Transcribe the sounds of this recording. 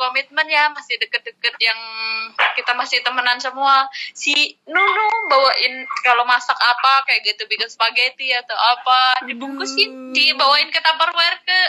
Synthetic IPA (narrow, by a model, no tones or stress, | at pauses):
komit̪̚mənjamasɪhdəkət̪̚dəkət̪̚jaŋkit̪amasɪht̪əmənansəmuasihnunubawaʔɪnkalomasakapakajaʔɡət̪ubikasə̥baɡat̪ujat̪awapadibuŋkusidibawaɪnkət̪ampərwɛrkə